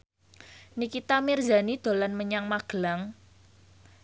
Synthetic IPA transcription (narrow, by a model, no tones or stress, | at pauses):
nikit̪amirza̤nid̪̥o̤lanməɲaŋmaɡ̥əlaŋ